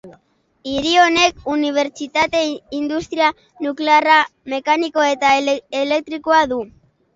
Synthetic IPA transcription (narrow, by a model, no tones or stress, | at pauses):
iɾio̞ne̞kuniβ̞e̞ɾt͡ʃit̪at̪e̞ind̪ust̪ɾia | nukle̞arame̞kaniko̞e̞t̪aele̞k̚t̪ɾikoaðu